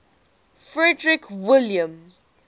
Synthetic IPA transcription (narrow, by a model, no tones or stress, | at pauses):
fɹɛdɹɪkʰwɪljə̃m